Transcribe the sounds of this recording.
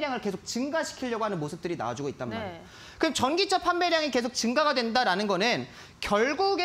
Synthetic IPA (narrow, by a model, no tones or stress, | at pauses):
ɾjaŋɯɭke̞sʰok̚t͡ɕɯŋɡaɕʰi̥kʰiʎːʌɡoɦanɯnmosʰɯ̥p̚t͈ɯɾina̰d͡ʑuɡoit̚t͈anma̰ | kɯɡt͡ɕʌnɡit͡ɕʰapʰanbeɾjaŋike̞sʰok̚t͡ɕɯŋɡaɡadwe̞ndaɾanɯnɡʌnɯn | kjʌɭɡuɡe